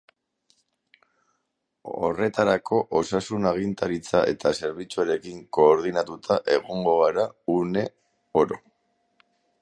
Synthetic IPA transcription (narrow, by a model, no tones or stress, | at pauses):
o̞̰re̞t̪aɾakʰo̞ʔosasunaɣ̞int̪aɾit͡saʔe̞̰t̪ase̞ɾβit͡suaɾe̞kiŋko̞ːɾðinat̪ut̪ʰaʔe̞ɣo̞ŋɡo̞ɣaɾaune̞ | oɾo̞